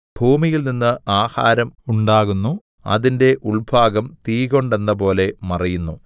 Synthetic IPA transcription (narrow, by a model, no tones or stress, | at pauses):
b̥ʱuːmijilninːɨaːha̰ːɾɐmuɳɖaːɣunːu | ɐ̰ðinde̞ʔuɭbʱaːɡɐmt̪iːɣo̞ɳɖe̞nːɐpo̞ːle̞mɐrijunːu